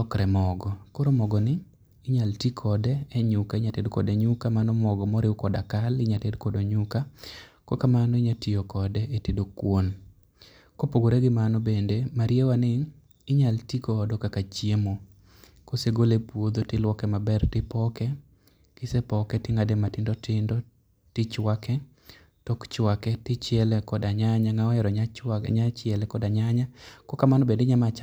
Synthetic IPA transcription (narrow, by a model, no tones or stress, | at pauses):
ɔkɾɛmɔɡɔkoɾomɔɡɔnɪ | ɪɲaltikʰɔdɛːɲʊkaɪɲatedkɔ̰dɛɲʊkamanɔmɔɡɔmɔɾɪwkɔdakalɪɲatedkɔdoɲʊkakokamanɔɪɲatijokɔdɛetedokwon | kopoɡoɾeɡɪmanɔbendemaɾjewanɪ | ɪɲaltikoːdɔkakat͡ʃiemo | koseɡolepwod̪otɪlwɔkɛmabɛrtɪpɔkɛ | kɪsɛpɔkɛtɪŋadɛmatɪndɔtɪndɔ | tɪt͡ʃwakɛ | tɔkt͡ʃwakɛtɪt͡ʃɪɛlɛkɔdaɲaɲaŋaɔɛɾɔɲaɲat͡ʃɪɛlɛkɔdaɲaɲakɔkamanobendeɲamat͡ʃ